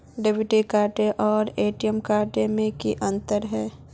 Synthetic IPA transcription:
ɖebʱiʈikaːɾʈeʔɔːɾeːʈijəmkaːɾʈemẽkiʔɐ̃nt̪əɾɦɛː

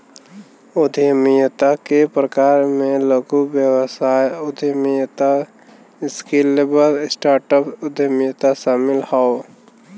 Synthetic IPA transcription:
ʊd̪ʱjəmijət̪akepɾəkaːɾmẽləɡubjəwəsaːjʊd̪ʱijəmijət̪a | ɪskelebəɾɪsʈaːɾʈəpʊd̪ʱɪjəmijət̪aʃaːmɪlhao

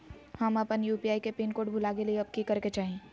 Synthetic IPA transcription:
hɐmɐpənjuːpiaːikepeːnkoːɖbʱʊlaːkelieɐb̚kikɐɾket͡ʃaːɦẽː

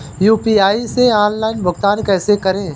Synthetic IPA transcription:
juːpiaːiseaːnlaːɪnbʱʊɡt̪aːnkɛːsekɐɾẽː

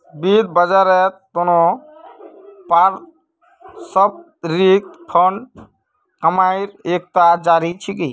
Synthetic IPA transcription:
bid̪̚bəd͡ʒaɾɛt̪onɔ | paɾ | sɔb̚ | ɾik̚t̪pʰɔɳ | kəmajɾek̚t̪ad͡ʒaɾit͡ʃʰiki

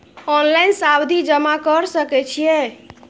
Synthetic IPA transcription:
ɔnlainsawd̪ʱid͡ʒəmakəɾsəkɛt͡ʃʰijɛ

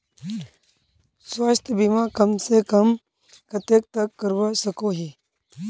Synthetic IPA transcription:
swast̪ʰjəbimakəmsekəm | kət̪ek̚t̪əkːəɾʋasəkoːɦiː

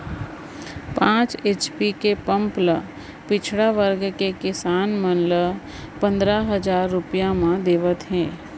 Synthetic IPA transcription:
pãːt͡ʃeːt͡ʃpikepə̃mplə | pɪt͡ʃʰɽaʋəɾɡkekɪsaːnmənlə | pə̃nd̪ɾaɦəd͡ʒaːɾːʊpijãmãd̪eːʋət̪ɦɛ̃ː

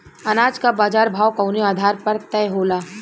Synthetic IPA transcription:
ɐnaːd͡ʒkabaːd͡ʒaːɾbʱaːwkɐʊniaːd̪ʱaːɾpɐɾt̪ɛːɦoːlaː

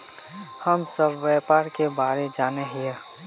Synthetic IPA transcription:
həmsəbʋɛpaːɾkebaːɾed͡ʒaːneɦie

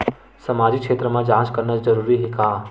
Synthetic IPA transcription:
səmaːd͡ʒikʃʰeːt̪ɾəmãd͡ʒãːt͡ʃkəɾnət͡ʃd͡ʒəɾuːɾiɦekaː

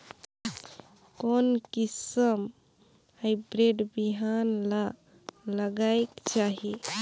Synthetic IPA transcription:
konkisəm | habɾeɖbiɦanla | ləɡaekt͡ʃaɦi

